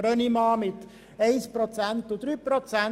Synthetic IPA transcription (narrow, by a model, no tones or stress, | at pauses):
ɾœnimɑːmɪt̪ | ɛɪspɾot͡sænt̪ʊd̪ɾyːpɾot͡sæn